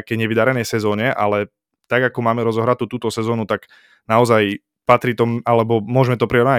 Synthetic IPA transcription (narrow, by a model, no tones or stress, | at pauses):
kɛjɲɛʋid̪aɾɛnɛjsɛzɔːɲɛʔa̰lɛ | t̪aɡakɔmaːmɛɾɔzɔɦɾat̪ut̪uːt̪ɔsɛzɔːnut̪aɡ̥ | naɔzaj | pat̪ɾiːt̪ɔalɛbɔmʊɔʒmɛt̪ɔpɾiɾa